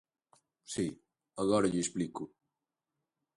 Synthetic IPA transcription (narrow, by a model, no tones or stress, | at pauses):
si | ɐɣɔɾɐʎesplikʊ